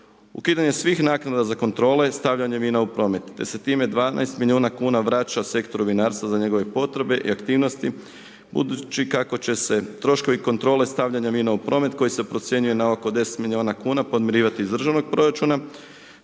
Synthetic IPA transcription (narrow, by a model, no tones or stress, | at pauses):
ṵkiːd̪aɲe̞sʋixnaːknad̪azako̞nt̪ɾo̞ːle̞st̪aʋʎaɲeminaupɾo̞ːme̞t̪ːe̞̰se̞t̪iːme̞d̪ʋaːna̰jst̪miliuːnakuːnaʋɾat͡ʃase̞kt̪oɾubinaːɾst̪ʋazaɲe̞ɡo̞ʋe̞po̞t̪ɾe̞be̞ʔḭakt̪iːʋno̞st̪i | bṵd̪ut͡ʃikako̞t͡ɕe̞se̞t̪ɾo̞ʃko̞ʋiko̞nt̪ɾo̞ːle̞st̪aʋʎaɲaʋinaupɾo̞me̞t̪ko̞jise̞pɾo̞t̪sjeɲuje̞naoko̞d̪e̞se̥t̪milioːnakuːnapo̞d̪mjiɾiːʋat̪izd̪r̩ʒaʋno̞ɡ̚pɾo̞ɾat͡ʃuna